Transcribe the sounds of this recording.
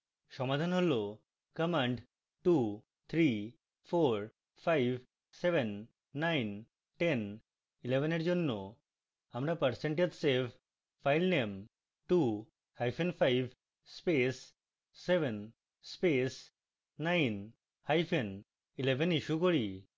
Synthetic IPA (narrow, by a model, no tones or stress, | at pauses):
ʃɔmad̪ʱanɦolo | kəmaɳɖ | ʈu | t̪ʰɾi | foɾ | fʰajbʱ | sebenː | ajn | ʈen | ilebʱeneɾd͡ʑonːo | amɾapəɾseɳʈed̪sebʱ | fʰajlnem | ʈu | hajfʰenfʰajbʱ | spesː | ebʱen | spes | najn | hajfʰen | ilebʱeniʃukoɾi